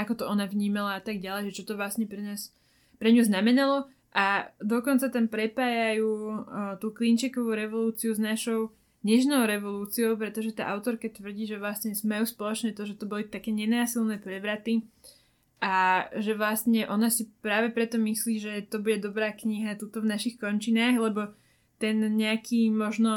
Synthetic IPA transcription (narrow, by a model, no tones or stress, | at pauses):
akɔt̪ɔɔnaʋɲiːmalaat̪aɡɟalɛjʒɛt͡ʃɔt̪ɔʋlasɲɛpɾɛnaːs | pɾɛɲuznamɛnalɔ | ʔad̪ɔkɔnt͡sat̪ampɾɛpaːjajuːt̪uːklint͡ʃikɔʋuːɾɛʋɔluːt͡siuznaʃɔʊ | ɲɛʃnɔʊɾɛʋɔluːt͡siɔʊpɾɛt̪ɔʒɛt̪a̰ːʔaʊt̪ɔɾkat̪ʋr̩ɟiːʒɛʋlast̪ɲɛzmajuːspɔlɔt͡ʃnɛt̪ɔʒɛt̪ɔbɔlit̪akɛːɲɛnaːsilnɛpɾɛʋɾat̪i | ʔaʒɛʋlast̪ɲɛʔɔnasipɾaːʋɛpɾɛt̪ɔmisliːʒɛt̪ɔbuɟɛd̪ɔbɾaːkɲiɦat̪uːt̪ɔvnaʃixkɔɲt͡ʃinaːɣlɛbɔ | t̪ɛnɲɛakʰiːmɔʒnɔ